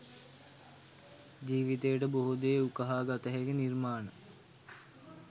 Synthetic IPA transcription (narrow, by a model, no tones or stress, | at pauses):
d͡ʒiːʋit̪ejəʈəboɦud̪eːukəɦaːɡat̪əɦeɡenirmaːnə